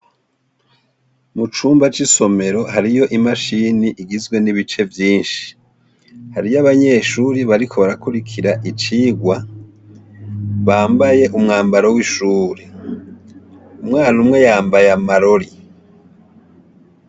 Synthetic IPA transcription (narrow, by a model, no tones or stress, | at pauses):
mut͡ʃuːmbat͡ʃiso̞me̞ɾo̞haɾijo̞ʔimaʃiːniʔiɡizɡwe̞niβit͡ʃe̞vjiːnʃi̥ | haɾijaβaɲe̞ːʃuːɾiβaɾikʰo̞βaɾakuɾikʰiɾaʔit͡ʃiːɡwa | βaːmbaje̞ʔumŋaːmbaɾowiʃuːɾe | umŋaːnumŋe̞jaːmbajamaɾo̞ɾi